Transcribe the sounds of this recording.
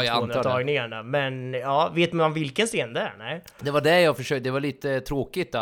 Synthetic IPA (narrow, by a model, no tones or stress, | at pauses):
jaanəɑːɡnɪŋaɳamɛnjɑːveːt̪manvɪlkənseːnd̪ɛæ̰ɳæɪ | d̪ɛvaɖɛjɑːfœʂøːk̪̚d̪ɛvaɭiːt̪ət̪ʰɾoːkɪt̪ːa